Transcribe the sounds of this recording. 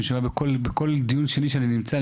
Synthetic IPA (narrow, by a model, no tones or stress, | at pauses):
ʃamabeko̞lbeko̞ld̪ijunʃe̞niʃeaninimt͡sa